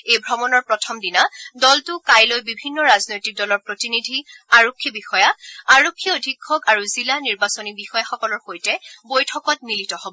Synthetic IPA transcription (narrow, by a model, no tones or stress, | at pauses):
ejbʱɹɔmɔnɔɹpɹɔtʰɔmdinadɔltʊkajlojbibʱinːɔɹaznojtik̚dɔlɔɹpɹotinidʱiaɹokʰːibixɔjaaɹokʰːiodʱikʰːɔkaɹuzilaniɹbasonibixɔjaxɔkɔlɔɹxojtɛbojtʰɔkɔt̚militɔhobɔ